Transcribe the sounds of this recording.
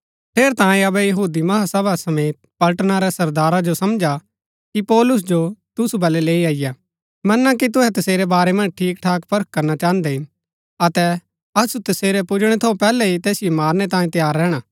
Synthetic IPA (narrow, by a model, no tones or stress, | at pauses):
pʰeːɾt̪ãːĩɐbɛjɐɦuːd̪imɐɦasɐbasɐmeːt̪̚pɐlʈnaɾɛsɐɾd̪aːɾad͡ʒosɐmd͡ʒa | kipɔːlʊs̬d͡ʒot̪ʊsubɐlɛleːiaːɪja | mɐnːakit̪̬ʊɦɛt̪ɐseːɾɛbaːɾɛmɐ̃nd͡ʒʈʰiːkʈʰaːkpʰɐɾəkkɐɾnat͡ʃãːə̃nd̪eɪ | ɐt̪ɛ | ɐsut̪ɐseːɾɛpʊd͡ʒɽ̃ɛt̪ʰopɛːlɛɦit̪ɛːsɪjemaːɾñɛt̪ãːĩt̪ɐjaːɾːɛːɽ̃aː